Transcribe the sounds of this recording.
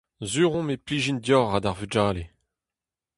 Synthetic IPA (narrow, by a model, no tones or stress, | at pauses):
zyːʁɔ̃mepliʒind̪jɔʁad̪aʁvyd͡ʒaːle